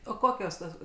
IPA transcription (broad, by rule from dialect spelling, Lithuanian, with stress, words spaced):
oː ˈkoːkʲoːs toːs